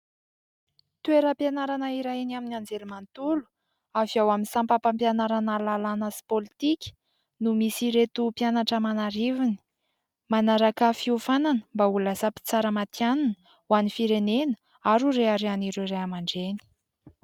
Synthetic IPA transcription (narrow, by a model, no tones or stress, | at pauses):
t̪ueɾəpjanaɾanaiɾainiaminand͡zelimant̪ulu̥ | aviawaminisampapampjanaɾanalalanasi̥polit̪ikʲə̥ | numisiɾet̪upjanaʈ͡ʂəmanaɾivini̥ | manaɾakafiufananə̥mbaulasapi̥t͡saɾəmat̪jananə | wanifiɾenenə̥ | aɾuɾeaɾeaniɾeɾeamaɳɖ͡ʐeni̥